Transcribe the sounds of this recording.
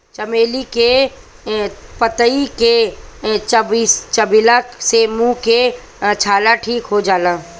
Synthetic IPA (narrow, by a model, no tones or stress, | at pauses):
t͡ʃəmeːlike | pət̪əike | t͡ʃbist͡ʃəbɪlaksemũke | t͡ʃʰaːlaʈʰiːkɦod͡ʒaːlãː